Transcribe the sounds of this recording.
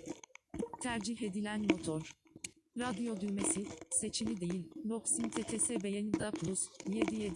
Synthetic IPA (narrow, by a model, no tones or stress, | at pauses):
t̪ʰæɾd͡ʒiɦe̞d̪ilʲænmo̞t̪ʰoɾ̥ɾad̪ijo̞d̪yjme̞sise̞t͡ʃʰilʲid̪e̞jilʲnoksint̪ʰet̪ʰesɛbejenid̪apʰlˠusjed̪ijed̪